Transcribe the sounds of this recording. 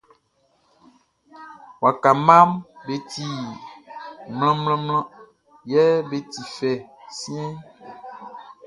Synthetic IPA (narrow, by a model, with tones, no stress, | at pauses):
wa˨ka˨mã˦mbe˨t̪i˨ | ml̃ɔ̃˦mlɔ̃˦mlɔ̃˦ | jɛ˦be˦t̪i˨fɛ˨sĩ˦ɛ̃˦